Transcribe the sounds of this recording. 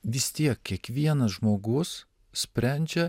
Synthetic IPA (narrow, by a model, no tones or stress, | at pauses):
ʋʲɪst̪ʲiɛkːʲiɛkʋʲiɛnɐsʒmoːɡʊs | sʲpʲɾʲæˑnʲd͡ʒʲɛ